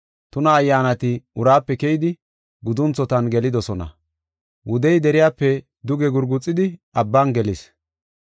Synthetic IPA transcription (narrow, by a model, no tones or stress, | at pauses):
t̪ʊnɐːjːaːnɐt̪ɪʊɾaːpːɛkɛjɪd̪ɪ | ɡʊd̪ʊnt͡sːɔt̪ɐnɡɛlɪd̪ɔsɔnɐ̰ | wʊd̪ɛjd̪ɛɾɪjaːpːɛ | d̪ʊɡɛɡʊɾɡʊt͡sʼːɪd̪ɪʔɐbːanɡɛlɪs